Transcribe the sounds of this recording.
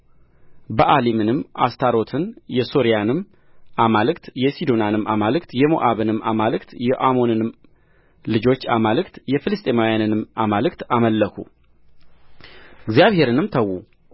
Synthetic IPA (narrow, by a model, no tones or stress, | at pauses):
bəʔalimɨnɨmːʔa̰st̪ʰaɾo̞t̪ʰɨnjɛsoɾijanɨm | amalɨkt̪jɛsid̪o̞nanɨmamalɨkt̪jɛmo̰ʔaβɨnɨmːamalɨkt̪jɛʔamo̞nɨnɨm | lɨd͡ʒo̞t͡ʃːamalɨkt̪jɛfɨlɨst̪ʼemawjanɨnɨmamalɨkt̪aməlːəkʰu | ɨɡzijaβhe̞ɾɨnɨmt̪ʰəwːu